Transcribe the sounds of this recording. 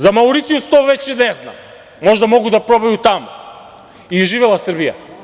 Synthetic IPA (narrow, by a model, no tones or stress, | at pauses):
zamauɾit̪iust̪ɔvɛt͡ʃɛnɛzna̰ | mɔʒd̪amɔɡud̪apɾɔbajut̪am | iuʒivɛlˠasr̩bija̰